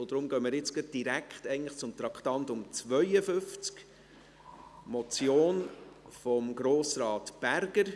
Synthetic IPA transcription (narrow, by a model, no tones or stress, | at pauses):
od̥̪ɾʊmɡœːmiɾɪt͡sɡɑt̚d̥iɾækχtɛɪəntləχt͡sʊmt̪ɾɑkχtɑnt̪ʊmt͡sʋœʏəfʏnft͡sk | mɔt͡sjoːnfɔmɡɾoːsɾɑːtb̥ærɡəɾ